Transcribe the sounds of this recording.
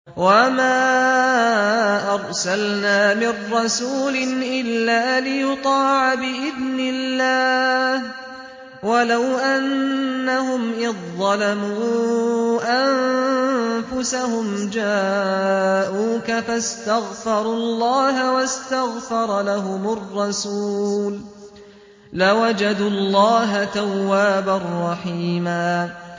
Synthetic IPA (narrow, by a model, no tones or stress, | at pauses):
wamaː | ʔɑɾˤsalnaːmɪrːɑsuːlɪnʔɪlːaːlɪjʊt̪ˤɑːʕabɪʔɪðnɪlːaːh | walawʔanːaɦʊmʔɪðːɑlamuː | ʔam | fʊsahʊmd͡ʒa | ʔuːkafast̪aɣfɑɾˤuːlːɑːɦawast̪aɣfɑɾˤɑlaɦʊmʊrˤːɑsuːl | lawad͡ʒad̪ulˤːɑːɦat̪awːaːbarˤːɑħiːmaː